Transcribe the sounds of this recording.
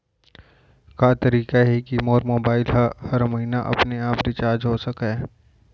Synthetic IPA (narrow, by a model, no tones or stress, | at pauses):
kat̪ɐɾiːkaɦɛkimoːɾmoːbaːɪlɦahɐɾmɐɦiːnaʔɐ̰pneaːpɾɪt͡ʃaːɾd͡ʒɦosɐka